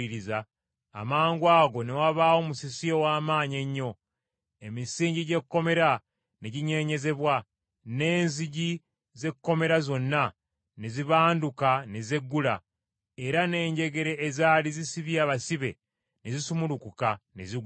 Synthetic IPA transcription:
iɾiza̰ː | maːŋɡwaːɡo̞newaβaːwo̞musisijowaːmaːɲeɲːo̞ | e̞misiːɲɟiɟe̞kkːo̞me̞ɾa | neɟiɲe̞ːɲe̞ze̞βwa | ne̞ːnziɟi | ze̞kːo̞me̞ɾazo̞nːa | neziβaːndukaneze̞ɡːula̰ | eɾane̞ːɲɟe̞ɡe̞ɾe̞ːzalizisiβjaːβasiβe̞̰ | nezisumulukukanezi

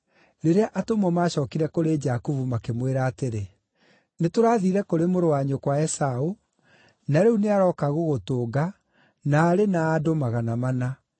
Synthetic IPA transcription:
ɾeɾeaʔatomwɔmaːɕɔːkiɾɛkoɾed͡ʒakuvumakemweɾaːteɾe | netoɾaːðiɾɛkoɾemoɾowaɲokwaɛsao | naɾeuneaɾɔːkaɣoɣotoɡa | naːɾenaːdomaɣanamana

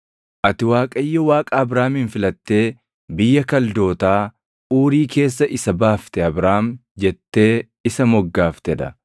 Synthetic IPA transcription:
ʔɐt̪ɪwaːkʼɐjːɔwaːkʼaːɐbɾaːmɪnfɪlɐt̪ːe̞ː | bɪjːɐkɐld̪o̞ːt̪aː | uːɾiːke̞ːs̬ːɐʔɪsɐbaːft̪ɛɐbɾaːmd͡ʒɛt̪ːe̞ː | ɪsɐmɔɡːaːft̪ɛd̪ɐ

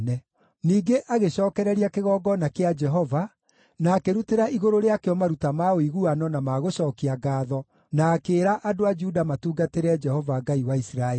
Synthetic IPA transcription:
nɛ | niːɡeʔʔaɣeɕɔːkɛɾɛɾiakeɣɔːɡɔnakead͡ʒɛɦɔva | naːkeɾuteɾaiɣoɾoɾeakeɔmaɾutamaoiɣuanɔnamaːɣoɕɔːkiaɡaːðɔ | naːkeːɾaʔadoad͡ʒudamatuːɡateɾɛd͡ʒɛhɔvaɡaiwaisiɾaɛ

